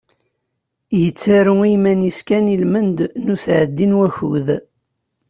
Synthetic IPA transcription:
jət͡sːaɾuimæniskænilmənd̪nusʕəd̪ːinwæçṵð

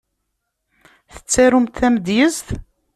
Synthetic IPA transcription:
θə̥t͡sːæɾumt̪θæməd̪jəzθ

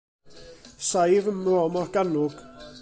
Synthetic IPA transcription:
sajvəmrɔmɔrɡ̥anʊɡ̥

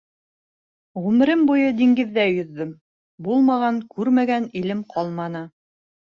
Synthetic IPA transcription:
ʁʉmɘ̆ɾɘmbujɤd̪iŋɡɘ̆ðːæjɵ̆ðːɵm | bulˠmɑʁɑŋkʉɾmæɡænilɘmqʰɑlˠmɑnɤ

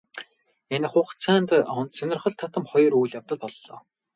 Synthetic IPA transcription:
en̆χʊːχt͡sʰæːnt̪ɔnt̪sɵnʲɪ̆rχɞ̆ɮt̪ʰat̪ə̆mχɔjɞ̆rujɮjawt̪ə̆t̪̚pɔɮːɔː

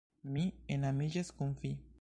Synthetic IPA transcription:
mienamiʒeskuɱfi

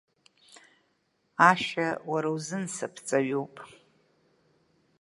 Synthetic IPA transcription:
aʃawaɾawzɨnsɨpʰt͡sʼaɥupʼ

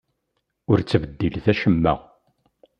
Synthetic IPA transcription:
ʊɾt͡sːəvəd̪ːilθæʃəmːæ̰ʁ

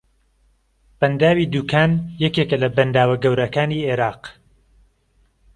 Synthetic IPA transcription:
b̥ɐnd̪aːwiːd̪uːkʰaːnjɛkeːkəlɐbɐnd̪aːwɐɡɐwɾɐkaːniːeːɾɑːq

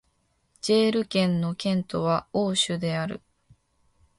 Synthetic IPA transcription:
d͡ʑe̞ːɾɯ̟kẽ̞nːo̞kẽ̞nt̪o̞βaoːɕɨd̪e̞aɾɯ̟̰

